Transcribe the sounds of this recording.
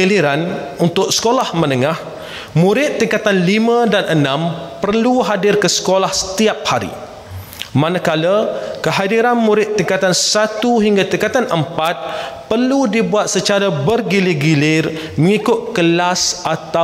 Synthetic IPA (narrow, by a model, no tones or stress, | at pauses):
iliɾan | unt̪ʊksə̥kolahmə̃nəŋah | mũɾɪt̪ːiŋkat̪anlimãdanʔənãmpərluɦadɪrkəsə̥kolahsə̥t̪iap̚haɾḭ | mãnakaləkəɦadiɾanmũɾɪt̪ːiŋkat̪ansat̪uɦiŋɡat̪iŋkat̪anʔəmpat̪̚pərludibuat̪̚sət͡ʃaɾabərɡilirɡilɪr | mə̃ŋikʊt̪̚kəlasat̪a